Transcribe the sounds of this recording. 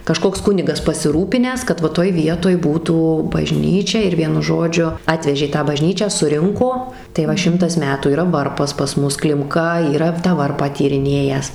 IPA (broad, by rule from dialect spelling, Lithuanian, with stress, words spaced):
kɐˈʃkoːks ˈkʊnʲɪɡɐs pɐsʲɪˈruːpʲɪnʲæːs kɐt ˈʋɐ ˈtoːj ˈʋʲiɛtoːj ˈbuːtuː bɐˈʒʲnʲiːt͡ʃʲɛ ɪr ˈʋʲiɛnʊ ˈʒoːd͡ʒʲʊ ˈɑːtʲʋʲɛʒʲeː ˈtɑː bɐˈʒʲnʲiːt͡ʃʲæː sʊˈrʲɪŋkoː tɐɪ ˈʋɐ ˈʃʲɪmtɐs ˈmʲæːtuː iːˈrɐ ˈʋɐrpɐs pɐs ˈmʊs klʲɪmˈkɐ iːˈrɐ tɑː ˈʋɐrpɑː tʲiːrʲɪˈnʲeːjæːs